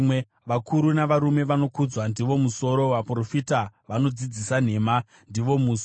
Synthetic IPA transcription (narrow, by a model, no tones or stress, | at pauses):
mwe | ʋakʰuɾunaʋaɾume̞ʋano̞kud͡zwandiʋo̞muso̞ɾo̞ʋapro̞fitaʋano̞d͡zid͡zisan̤e̞ːma | ndiʋo̞mus